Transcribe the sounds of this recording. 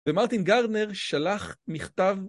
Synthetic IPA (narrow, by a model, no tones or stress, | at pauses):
vemaʁt̪inɡaʁdneʁʃalaχmiχtav